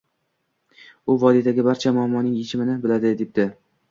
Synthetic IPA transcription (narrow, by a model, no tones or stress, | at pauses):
ʊvɒd̪it̪ʰaɡʲɪbaɾt͡ʃʰamʊamːɒnɪŋet͡ʃʰɪmɪnɪbɪlad̪ɪd̪ep̚d̪̥ɪ